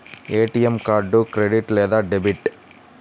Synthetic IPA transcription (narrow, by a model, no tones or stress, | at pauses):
eːʈiɛmkaːɾɖukɾeɖiʈleːd̪aːɖɛbiʈ